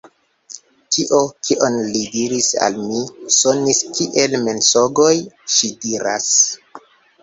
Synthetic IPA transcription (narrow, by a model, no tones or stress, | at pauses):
tʰiʔokʰiʔo̞nlidiɾisa̰lmiso̞niskiʔe̞lme̞nsoɡo̞jʃidiɾa̰s